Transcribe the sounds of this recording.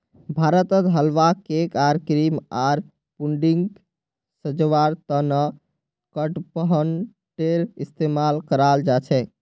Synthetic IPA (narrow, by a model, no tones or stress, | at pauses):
bʱaɾət̪ət̪ɦəlʋakekaɾkɾimaɾ | puɳɖiŋɡ | səd͡ʒʋaɾt̪ənə | kəʈpəɦən | ʈeɾist̪emalkəɾald͡ʒat͡ʃʰɛ